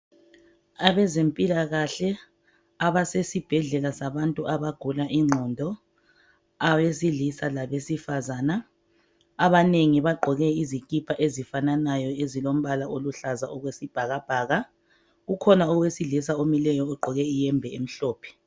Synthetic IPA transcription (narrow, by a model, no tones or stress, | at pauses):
aβɛzempʼilaɣaɬɛ | aβasesib̥ʱɛɮɛlasaβantʼuʔaβaɡ̥ʱulaʔiŋ͡ǀʱɔndʱɔ | awesiɮisalaβesifazaːnaː | βaneŋiβaɡ͡ǃʱɔɣɛizikʼipʰaʔezifananajɔezilom̩βalaoluɬazaɔɣwesib̥ʱaɣab̥ʱaːɣa | ɣukʰɔnaɔɣwesiɮisaomilɛjɔːɡ͡ǃʱɔɣɛijɛmbʱɛem̩ɬɔːpʰɛ̥